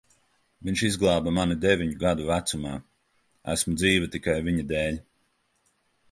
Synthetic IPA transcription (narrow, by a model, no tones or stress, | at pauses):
viɲʲʃizɡlˠaːbamanid̪ɛvʲiɲuɡad̪uvæt̪sumɑː | æ̰smud̪ziːvɨt̪ikajviɲad̪ɛːlʲ